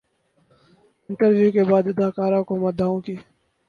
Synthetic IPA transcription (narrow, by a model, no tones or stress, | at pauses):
ɪnʈəɾʋjuːkebaːd̪ɪd̪aːkaːɾõkoməd̪ʱaːõkiː